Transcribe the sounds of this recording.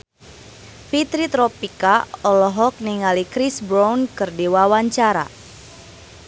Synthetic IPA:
fit̪ɾit̪ɾɔpikaɔlɔɦɔk̚niŋalikɾisbɾawnkɨrdiwawaɲt͡ʃaɾa̰

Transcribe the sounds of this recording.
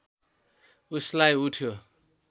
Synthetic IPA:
uslajuʈʰjo

